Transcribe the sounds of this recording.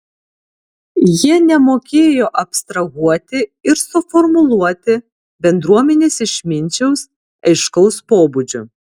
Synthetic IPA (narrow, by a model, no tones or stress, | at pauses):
jiɛnʲɛmoːkʲeːjoːʔɐpʲst̪ɾɐɣuɔt̪ʲɪɪɾsʊfɔɾmʊlˠuɔt̪ʲɪ | bʲɛnd̪ɾuɔmʲɛnʲeːsɪʃmʲɪnʲt͡ʃʲɛʊs | ɐɪʃkɔʊspoːbʊd͡ʒʲʊ